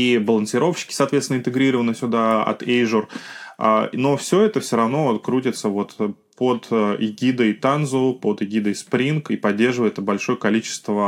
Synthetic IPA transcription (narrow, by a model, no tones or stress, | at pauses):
ibəlˠənsʲɪɾo̞fɕːɪ̥kʲɪ̥sɐːt̪vʲet̪sʲnɪnt̪ɨɡɾʲiɾəvənəsʲʊd̪aɐ̰t̪ejʐəra̰no̞fsʲɵɛt̪əfsʲoɾɐvnokɾutʲɪt̪səvo̞t̪ | pod̪ɪɡʲid̪əjt̪anzʊpod̪ɪɡʲid̪əjspɾʲinkipɐdʲːe̞rʐɨvəɪt̪bɐlʲʂo̞jəkɐlʲit͡ɕɪ̥st̪və